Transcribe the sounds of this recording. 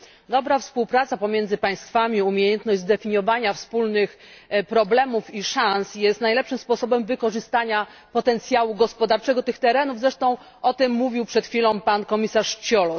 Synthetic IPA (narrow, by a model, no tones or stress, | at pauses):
d̪ɔbɾafspuwpɾat̪sapɔmʲjɛnd̪zɘpaj̃st̪famʲiumʲjejɛnt̪nɔʑd͡ʑzd̪ɛfʲiɲjɔvaɲafspulnɘx | pɾɔblɛmufiʂansjɛst̪najlɛpʂɘmspɔsɔbɛmvɘkɔʐɘst̪aɲapɔt̪ɛnt̪sʲjawuɡɔspɔd̪aɾt͡ʂɛɡɔt̪ɘxt̪ɛɾɛnuvzɾɛʂt̪ɔ̃w̃ | ɔt̪ɘmːuvʲiwpʂɛt̪xʲfʲilɔ̃w̃pankɔmʲisaʂt͡ɕɔlɔ